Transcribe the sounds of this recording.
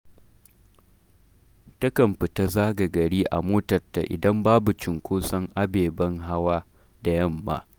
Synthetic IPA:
tɐ˦kɐ˨mɸɪ˨ta˦zaː˦ɡa˨ɡɐ˨ɽiː˦ʔa̰˨moː˦tɐ˨rta̰˨ʔɪ̰˨dɐ˦mbaː˦bu˨t͡ʃɪ˨ŋkʷoː˦sɐ˦ŋʔa˦beː˨bɐ˦ŋɦa˦waː˦ | da˨jɐ˦mːa̰ː˦

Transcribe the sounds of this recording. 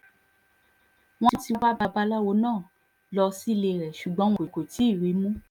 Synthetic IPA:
w̃ɔ̃˦i˧˦ti˧wa˦ba˧ba˧lɔ˦wo˨˧˦nãː˦˨ | lɔ˧si˦le˧ɾɛ˨ʃu˨ɡ͡bɔ̃˨˦w̃ɔ˨ko˨ti˨˦i˦˨ɾi˨˦mũ˦

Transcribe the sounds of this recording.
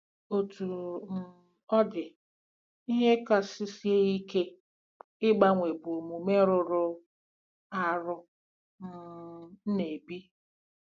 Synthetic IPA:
o˨tu˨m̩˨ | ɔ˦dɪ˨ | i˦ɦe˦ka˨sɪ˦si˦e˦i˦ke˦ | ɪ˦ɡ͡ba˦ŋʷe˨bʊ˨mu˨me˦ɾʊ˨ɾʊ˦ | a˨ɾʊ˦ | m̩˦˨˦ne˨bi˦

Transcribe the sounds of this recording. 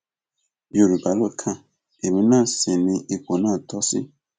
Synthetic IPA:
jo˨ɾu˨ba˨lo˦˨kʰã˦˨ | e˨mĩ˦nã˦˨sĩ˨nĩ˧˦ʔe˨ko˨nãː˦˨tʰɔ˦sɪ̰˦

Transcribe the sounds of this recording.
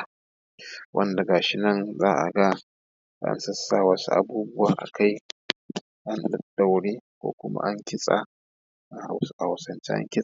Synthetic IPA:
wʔɐ̰˦nda˨ɡaː˨ʃɪ˦nɐ˦˨nzaː˦ʔa̰˨ɡa˦ | ʔa̰˦nsɐ˦sːaː˨wɐ˦sṵ˦ʔa̰˦˨buː˦bʊ˦waː˨ʔa̰˨kʰa˦j | ʔa˦nɗɐ˦ɗːa˨wɽeː˦kʷo̰ː˦kʷʊ˦ma̰˦ʔa˦ŋkʲɪ˦sʼa̰˨ | ʔa˨ha˨wsʔa˨a˨sɐ˨nt͡ʃḛ˦ʔa̰˦ŋkʲɪ˦sʼa˨

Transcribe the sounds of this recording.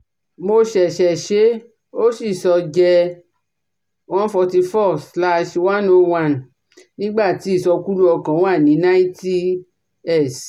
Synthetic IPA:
mo˧ʃɛ˨ʃɛ˨ʃe˨˦ | o˦si˦˨sɔ˧d͡ʒɛ˧ | wã˦n˦fɔ˧ti˧fɔ˦˨sla˧ʃwã˦no˧wã˦˨n | nĩ˦ɡ͡ba˦˨ti˨˦˨sɔ˧ku˦lu˦ɔ˧kã˨˦w̃a˦˨nĩ˨˦nã˦ĩ˦ti˦ | ɛ˦˨s

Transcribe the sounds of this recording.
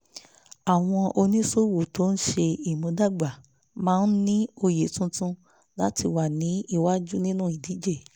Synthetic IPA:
a˨w̃ɔ̃˧ʔo˧nĩ˦so˦˨wo˨to˨˦n̩˦ʃe˧i˨mõ˨˧˦da˦˨ɡ͡ba˨ | mãː˦˧n̩˦nĩ˦o˧je˨˦tũ˧tũ˧ | la˦ti˧wa˨nĩ˨˦i˦˨wa˦d͡ʒu˦nĩ˦nũ˦˨i˨di˨˦d͡ʒe˦˨

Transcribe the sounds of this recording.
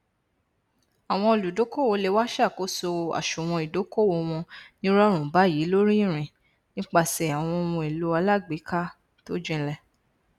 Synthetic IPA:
a˨w̃ɔ̃˧o˧˨lu˨do˨˦ko˦wo˧le˧wa˦ʃa˦˨ko˨˦so˧a̰˨ʃu˨w̃ɔ̃˧i˨do˨˦ko˦˨wo˧˦w̃ɔ̃˧nĩ˦ɾɔ˦ɾ̃ũ˨ba˨˦jiː˨˦lo˦ɾi˦i˦˨ɾ̃ĩ˨ | nĩ˦k͡pa˧sɛ˨a˨w̃ɔ̃˧wɔ̃˧e˨lo˨˦a˧la˦ɡ͡bi˨˦ka˦ | to˦d͡ʒĩ˦lɛ˧˨

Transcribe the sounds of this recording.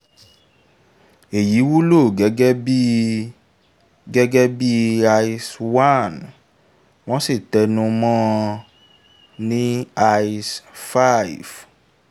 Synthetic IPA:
e˨ji˨˦wu˦lo˦˨ɡɛ˨˦ɡɛ˦bi˦ | ɡɛ˦ɡɛ˦bi˦a˧iswa˦˨n | w̃ɔ̃˦si˦˨tɛ˧nũ˧mɔ̃˦ | nĩ˦a˧isfa˦i˨f

